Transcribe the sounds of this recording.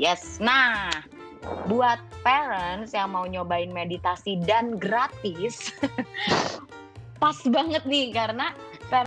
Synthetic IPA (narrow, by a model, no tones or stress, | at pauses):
jɛsnah | buat̪̚pɛɾənsjaŋmauɲobaɪnmedit̪asidanɡɾat̪ɪs | pasbaŋət̪̚nɪhkaɾəna | pɛ